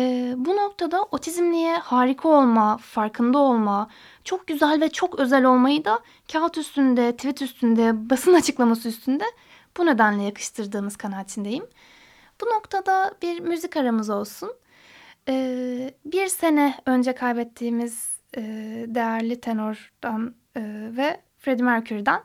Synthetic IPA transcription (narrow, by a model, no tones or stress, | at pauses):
ɛːbuno̞k̚t̪ʰad̪aʔo̞t̪ʰizmlʲijɛhaːɾikʰao̞lˠmafaɾkʰɯnd̪ao̞lˠma | t͡ʃʰok̚ɟyzɛlʲvɛt͡ʃʰo̞kø̞zɛlʲo̞lˠmajɯd̪a | cʰat̪yst̪ʰynd̪ɛt̪ʰvit̪yst̪ʰynd̪ɛbasɯnat͡ʃʰɯklˠamasɯyst̪ʰynd̪ɛ | b̥une̞d̪ænlʲɛjakʰɯ̥ʃt̪ʰɯɾd̪ɯːmɯz̥kʰanaːt͡ʃ̪ʰind̪e̞jim | b̥uno̞kt̪ʰad̪abiɾmyzicaɾamɯzo̞lˠsun | ɛːbiɾse̞nɛø̞nd͡ʒɛkʰajbɛt̪ʰːiːmiz̥ | ɛːd̪e̞jæɾlʲit̪ʰe̞noɾd̪̥an | ɯːvɛ | fɾe̞d̪imæɾcʰyɾd̪æn